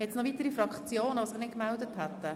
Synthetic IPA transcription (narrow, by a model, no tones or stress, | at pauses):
ɛt̪snɔvit̪əɾifɾɑkχt͡sjoːnəʋosɪχnɪt̚kmɛld̪əthɛt̪ːə